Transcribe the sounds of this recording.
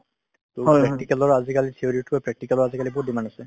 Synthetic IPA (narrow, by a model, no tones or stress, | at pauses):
tʊpɹɛk̚tikɛlɔɹazikalitʰioɹitapɹɛk̚ʈikɛlɔɹazikalibʊdimanasɛ